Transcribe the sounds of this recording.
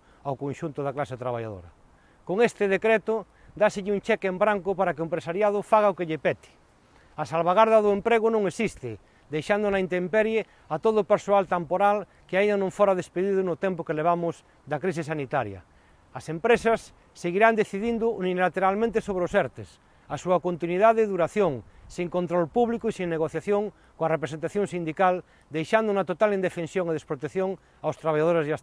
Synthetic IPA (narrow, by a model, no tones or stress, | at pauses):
awkõnʃunt̪ʊðaklaset̪ɾaβaʎa̰ðo̰ɾa̰ | koŋest̪eð̞ekɾet̪o | d̪aseʎɪunt͡ʃɛkeembɾaŋkʊpaɾakeoempɾesaɾjað̞ʊfaɣaokeʎepɛt̪i̥ | asalβaɣaɾðaðoempɾeɣ̞ʊnõŋesist̪ɪ | d̪ejʃand̪onaint̪empeɾje | at̪oðopeɾsoalt̪ampoɾal | keainanõɱfoɾaðespeðiðʊnʊt̪empokeleβ̞amʊz | d̪akɾis̬isanit̪aɾja̰ | asempɾesasː | eɣiɾand̪eθiðind̪ʊunilat̪eɾalmẽnt̪esoβɾeosɛɾt̪es | asuakont̪inwiðaðeðuɾaθjoŋsiŋkont̪ɾolpuβlikoisiŋneɣ̞oθjaθjoŋ | koarep̬ɾesent̪aθjoŋsind̪ikal | d̪ejʃand̪ʊunat̪ot̪alind̪efensjoŋeðespɾot̪ekθjoŋ | awst̪ɾaβaʎaðoɾezðas